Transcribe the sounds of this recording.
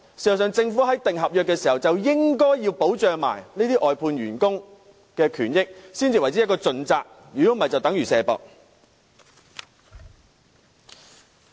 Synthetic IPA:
siː˨t͡sɐ˨˩s̬œː˨ŋt͡sɪ˧ŋfuː˨˥ɦɐ˨˥jt̪ɪ˨ŋɦɐ˨p̚jœː˨kːɛː˧siː˨˩hɐ˨wt͡sɐ˨wjɪ˥ŋkɔː˥jːiː˧wpo˨˥wt͡ʃœː˨ŋma̰ː˨˩jneː˥t̪iː˥ʔɔː˨jpʰuː˧nɥyː˨˩nkʊ˥ŋ | kɛː˧kʰyː˨˩njɪ˥k̚siː˥nt͡siː˨wɐ˨jt͡siː˨˥ɐ˥tkɔː˧t͡sɵ˧nt͡saː˨k̚ | jyː˨˩ko˨˥mɐ˨˩jt͡sɐ˨wt̪ɐ˨˥ŋɥyː˨˩sɛː˨˧pɔ̰ː˨k̚

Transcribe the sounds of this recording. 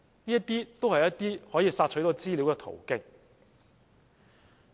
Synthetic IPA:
niː˥jɐ˥t̪iː˥t̪o˥whɐ˨˩jɐ˥t̪iː˥hɔː˨˥jiː˧saː˧t̚t͡ʃʰɵ˨˥t̪ɔː˨˧˥t͡siː˥li˨˥wkɛː˧t̪ʰo̰˨˩wkɪ˧k̚

